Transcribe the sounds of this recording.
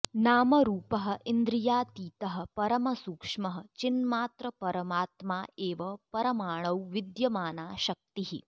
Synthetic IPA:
naːmɐɾuːpɐɦɐ̆ind̪ɾijaːt̪iːt̪ɐɦɐ̆pɐɾɐmɐsuːkʂmɐɦɐ̆t͡ʃinmaːt̪ɾɐpɐɾɐmaːt̪maːʔeːʋɐpɐɾɐmaːɳ̃ɐwʋid̪jɐmaːnaːʃɐk̚t̪iɦḭ

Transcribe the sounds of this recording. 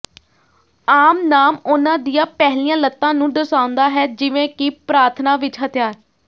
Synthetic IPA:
aːmnaːmʊnãːd̪ijãːpɛɦliːãːlət̪ːãːnũːɖəsaːʊ̃nd̪aːɦɛːd͡ʒɪʋẽːkɪpɾaːɾt̪ʰnãːʋɪt͡ʃɦət̪ɪjaːɾ

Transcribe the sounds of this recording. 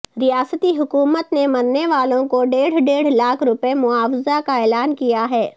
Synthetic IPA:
ɾijaːsət̪iɦʊkuːmət̪nemɐɾneʋaːlõkoɖeːɽ̤ɖeːɽ̤laːkʰɾʊpemʊaːfɪzakaɛːlaːnkijaɦɛː

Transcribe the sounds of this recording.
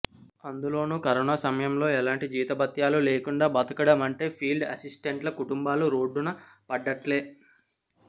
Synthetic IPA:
ɐnd̪ulo̞ːnuːkɐɾonaːsɐmɐjɐmlo̞ːɛlaːɳʈid͡ʒiːt̪ɐbɐt̪jaːlule̞ːkuɳɖaːbɐt̪ɐkɐɽɐmɐɳʈe̞ːpʰiːlɖɐsisʈeɳʈlɐkuʈumbaːluɾo̞ːɖːunɐ | pɐɖːɐʈle̞ː

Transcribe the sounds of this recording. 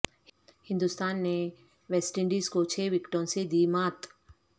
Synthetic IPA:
hɪ̃nd̪ust̪aːnːe | ʋesʈɪ̃ɳɖiːskot͡ʃʰeːʋɪkʈõsed̪iːmaːt̪

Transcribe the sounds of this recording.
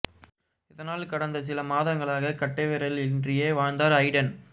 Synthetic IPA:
ɪðɐnaːlkɐɽɐnd̪ɐsɪlɐmaːðɐŋɡɐɭaːɣɐkɐʈːɐʋɛɾɐlɪndrɪjeːʋaːɻnd̪aːɾɐɪɽɐn

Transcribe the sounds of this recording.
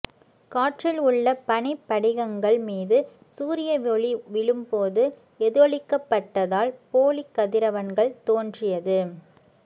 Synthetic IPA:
kaːʈrɪlʊɭːɐpɐnɪpːɐɽɪɣɐŋɡɐɭmiːðɯ | suːɾɪjɐʋɔɭiʋɪɭɯmpoːðɯ | ɛðɯɐɭɪkːɐpːɐʈːɐðaːlpoːlikːɐðɪɾɐʋɐnɡɐɭt̪oːndrɪjɐðɯ

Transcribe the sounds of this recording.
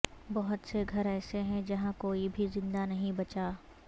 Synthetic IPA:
bɐɦʊt̪seɡʱɐɾɛːseɦɛ̃d͡ʒɐɦãkoːibʱizɪ̃nd̪anɐɦĩbɐt͡ʃaː

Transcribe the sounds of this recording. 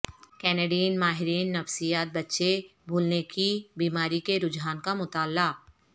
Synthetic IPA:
kɛːneːɖiːnmaːɦɪɾiːnːɐfsijaːt̪̚bɐtːʃebʱuːlnekibiːmaːɾikeɾʊd͡ʒaːnkamʊt̪aːlːaː

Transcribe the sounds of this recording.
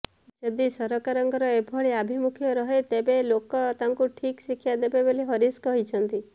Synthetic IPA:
d͡ʒɔd̪isɔɾɔkaɾɔŋɡʱɔɾɔebʱɔɭiabʱimukʰjɔɾɔɦet̪ebelokɔt̪aŋkuʈʰiksikʰjad̪ebebeliɦɔɾiskɔɦit͡ʃʰɔnt̪i

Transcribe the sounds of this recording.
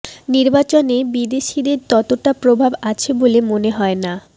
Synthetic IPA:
niɾbat͡ɕonebid̪eʃid̪eɾt̪ɔt̪oʈapɾobʱabat͡ɕʰebolemoneɦɔena

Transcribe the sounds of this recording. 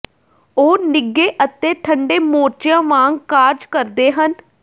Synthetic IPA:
oːnɪɡːeːʔət̪eːʈʰəɳɖeːmoːt͡ʃjãːmãːŋɡkaːɾd͡ʒkəɾd̪eːɦən

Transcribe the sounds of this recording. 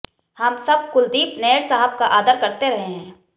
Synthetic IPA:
hɐmsɐb̚kʊld̪iːpneːɾsaɦəb̚kaʔaːd̪əɾkɐɾt̪eɾɐɦẽɦɛ̃ː

